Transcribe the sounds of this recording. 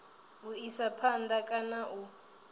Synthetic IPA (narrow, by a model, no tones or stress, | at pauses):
uisapʰandakʼanaʔu